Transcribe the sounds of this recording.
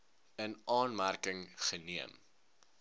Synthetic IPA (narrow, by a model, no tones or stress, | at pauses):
ənɑːnmærkəŋχəniəm